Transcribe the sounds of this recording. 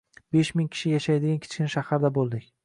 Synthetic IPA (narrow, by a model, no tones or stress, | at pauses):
b̥e̞ʃmɪŋkʲʰɪ̥ʃɪjaʃajd̪ɪɡʲankʲʰɪ̥t͡ʃʲɪnɪʃahaɾd̪abolˠd̪ɪkʲ